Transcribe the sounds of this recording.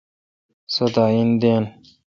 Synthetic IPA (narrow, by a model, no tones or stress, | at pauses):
sod̪aːind̪en